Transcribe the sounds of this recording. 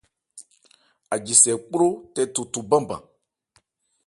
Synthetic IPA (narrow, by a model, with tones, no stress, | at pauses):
a˨d͡ʒi˨sɛ˨k͡po˦lo˦tɛ˦tu˨tu˨bã˦bã̰˨